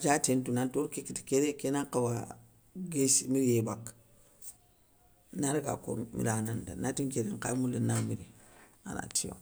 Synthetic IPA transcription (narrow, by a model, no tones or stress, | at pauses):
d͡ʒatentunantoɾkekiti̥keɾekenakawa | ɡesimiɾjebak | naɾiɡa̰ko̰mḭɾananda̰natikeɾeŋkamulenamiɾi | a̰na̰tʰiwa̰